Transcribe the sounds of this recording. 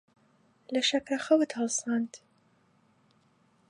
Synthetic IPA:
lɐʃɐkɾɐxɐwɨt̪hɐlˠsɑːnt̪

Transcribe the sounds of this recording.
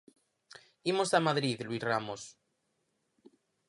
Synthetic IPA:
imosamaðɾiðlwisramos

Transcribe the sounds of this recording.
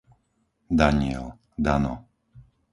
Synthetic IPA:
d̪aɲɪɛl | d̪anɔ̰

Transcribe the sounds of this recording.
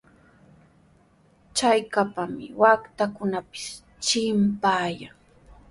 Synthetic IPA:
t͡ʃajkapamɪ̰wakt̪akʊnapɪ̥s | t͡ʃɪmpaːjaŋ

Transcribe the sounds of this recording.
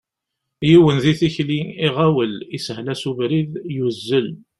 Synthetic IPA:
jiwənðiθiçliiʁæwəlisəhlæsuvɾiðjuzːəl

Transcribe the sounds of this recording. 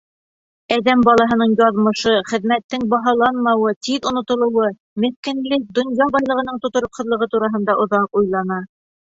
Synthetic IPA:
æðæmbɑlˠɑɦɤ̆nɤɴjɑðmɤ̆ʃɤχɘ̆ðmæt̪ːɘŋbɑɦɑlˠɑnmɑwɤt̪iðŏnŏt̪ŏlˠɤ̆wɤ | mɘ̆θkɘ̆nlɘk̚d̪ŏnjɑbɑjlˠɤ̆ʁɤ̆nɤɴt̪ŏt̪ŏɾoqhŏðlˠɤ̆ʁɤt̪uɾɑɦɤ̆nd̪ɑʔŏðɑqujlˠɑnɑ

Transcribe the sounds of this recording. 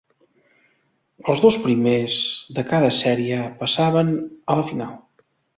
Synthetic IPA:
əlˠzðospɾimezðəkaðəsɛɾiəpəsaβənələfinalˠ

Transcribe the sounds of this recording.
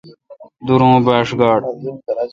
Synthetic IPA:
d̪uɾõːbaːʂɡaːɖ

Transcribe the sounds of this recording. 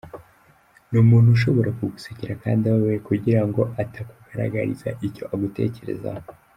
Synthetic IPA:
nuːmuːn̥huʃo̞βo̞ɾakuɡusiciɾakaːndiawewekuɟiɾaŋɡo̞ʔatʰakuɡaɾa̰ɡaɾḭza̰ʔico̞ʔaɡute̞̰ːce̞ɾe̞̰za̰ho

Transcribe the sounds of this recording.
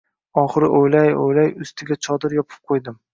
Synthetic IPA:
ɒχɨɾɪʔojlajo̰jlajʊst̪ʰɪɡʲat͡ʃʰɒd̪ɪɾjɒpʰɪ̥p̚qʰojd̪ɪm

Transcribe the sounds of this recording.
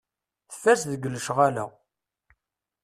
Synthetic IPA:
θə̥fːæɾsðəɡəlːəʃʁalæ̰

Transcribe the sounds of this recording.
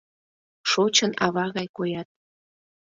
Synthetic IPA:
ʃot͡ɕənɑβɑɣɑjkojɑt̪̚

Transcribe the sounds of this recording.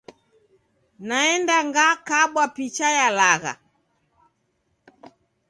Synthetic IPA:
naɛndaŋɡakaɓwapit͡ʃajalaɣa̰

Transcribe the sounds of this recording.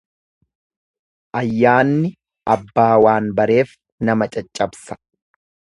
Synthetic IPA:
ʔɐjːaːnːɪ | ʔɐbːaːwaːnbɐɾe̞ːf | nɐmɐt͡ʃʼɐt͡ʃʼːɐbsɐ̥

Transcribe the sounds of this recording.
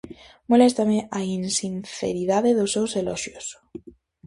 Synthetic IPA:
molest̪ameʔainsinθḛɾiðaðeðosːewseloʃjos

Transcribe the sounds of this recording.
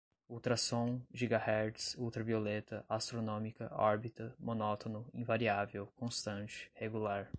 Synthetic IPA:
uwt̪ɾasõw̃ʒiɡahɛɾt͡ʃsuwt̪ɾɐviolet̪ɐʔast̪ɾonõmikɐɔɾbit̪ɐmõnɔt̪onʊĩvaɾiavewkõst̪ɐ̃t͡ʃɪ̥heɡulaɾ

